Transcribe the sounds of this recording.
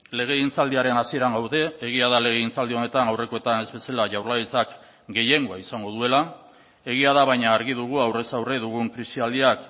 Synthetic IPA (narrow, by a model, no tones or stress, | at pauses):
le̞ɣ̞e̞int͡sald̪iaɾe̞nasie̞ɾaŋɡawðe̞ːɣ̞iaðale̞ɣe̞int͡sald̪io̞ne̞t̪anawre̞ko̞e̞t̪ane̞zβe̞selaʝawɾlajit͡sak | ɡe̞je̞ŋɡoaisaŋɡo̞ðue̞la | e̞ɣ̞iaðaβajɲaːɾɣiðuɣ̞uawre̞sawre̞ðuɣuŋkɾisiald̪iak